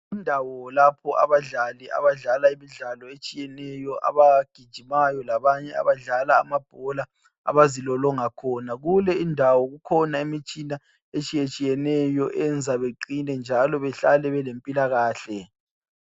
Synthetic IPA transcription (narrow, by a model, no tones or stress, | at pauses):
indʱawɔlapʰɔʔa̰βaɮalia̰βaɮalaimiɮalɔet͡ʃʼijɛnɛjɔʔa̰βaɡ̥ʱid̥ʒ̥ʱimajɔlaβaɲɛa̰βaɮalaːmab̥ʱɔla | a̰βazilɔlɔŋakʰɔnaɣulɛindʱawɔɣukʰɔnaemit͡ʃʼina | et͡ʃʼijet͡ʃʼijɛnɛjɔʔɛnd͡zʱaβeǃinɛnd͡ʒʱalɔβɛɬalɛβɛlempʼilaɣaːɬɛ